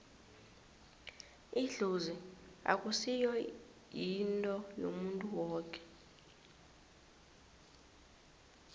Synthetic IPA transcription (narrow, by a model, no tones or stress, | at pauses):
iɮuzia̰kʼusijɔ | jintʼɔjo̰muntʼuwɔːkʼɛ̥